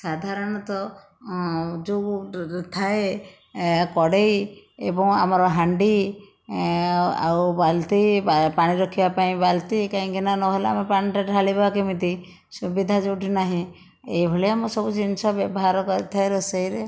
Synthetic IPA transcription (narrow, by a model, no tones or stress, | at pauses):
sad̪ʱaɾɔɽ̃ɔt̪ɔ | d͡ʒot̪ʰae | kɔɽej | ḛbɔŋa̰mɔɾɔɦaɳɖi | a̰wbalt̪ipaɽ̃iɾɔkʰibapaĩbalt̪ikaĩkinanɔɦelea̰mepaɽ̃iʈaʈalibakemit̪i | subid̪ʱad͡ʒoʈinaɦĩ | eibʱɔɭeamɔsɔbut͡ʃinsʰɔbɔbɔɦaɾɔkɔɾit̪ʰaeɾɔsejɾe